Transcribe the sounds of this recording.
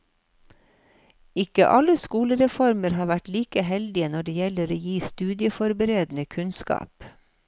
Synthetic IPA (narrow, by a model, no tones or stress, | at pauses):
ɪkə̰ʔɑləskuːləɾɛfɔɾməɾhɑːʋæʈliːkəhɛld̪ɪənɔɖeːjɛləɾoːjiːst̪ʉːd̪ɪəfɔɾbəɾeːd̪n̩əkʰʉnskɑ̰ːp